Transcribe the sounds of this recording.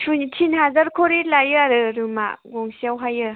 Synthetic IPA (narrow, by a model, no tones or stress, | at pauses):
sʰuntʰinhazaɾkʰoɾilajɯaɾɯɾɯma̰ɡɔŋsiawɦajɯ